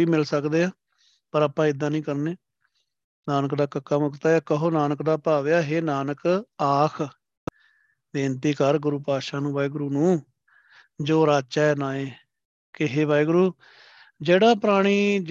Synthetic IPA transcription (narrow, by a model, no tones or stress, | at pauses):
iːmɪlsəkd̪eːaː | pəɾaːpãːɪd̪ːãːnĩːkəɾneː | naːnəkd̪aːkəkːaːmʊkt̪aːaːkəɦoːnaːnəkd̪aːpaːʋːaːɦeːnaːnəkaːkʰ | d̪eːnt̪iːkəɾɡʊɾuːpaːʃaːnũːbaːiːɡʊɾuːnũː | d͡ʒoːɾaːt͡ʃaːɛːnaːẽː | kɪɦeːʋaːiɡʊɾuː | d͡ʒeːɽaːpɾaːɽ̃iː